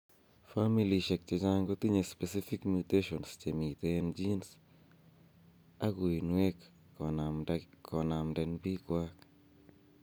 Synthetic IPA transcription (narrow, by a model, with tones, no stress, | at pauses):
familiʃɛk̚t͡ʃe˨d͡ʒaŋɡot̪i˦ɲespɛ˨si˦fi˦kmjut̪eʃɔnst͡ʃemi˨t̪end͡ʒins | a˦ɡo˨i˨nwe˦k | kɔ˨na˨mdɛ˨nbi˦kwak